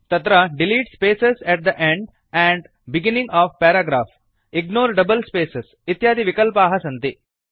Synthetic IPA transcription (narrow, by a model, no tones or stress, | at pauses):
t̪ɐt̪ɾɐɖɪliːʈspeːsesɛʈ̚d̪əʔẽɳɖ | ɛ̃ːɳɖ | bɪɡɪnɪ̃ŋɡɔːʋpɛːɾaɡɾaːf | ɪɡnoːɾɖɐbəlspeːses | ɪt̪jaːd̪iʋɪkəlpaːɦɐsɐ̃nt̪i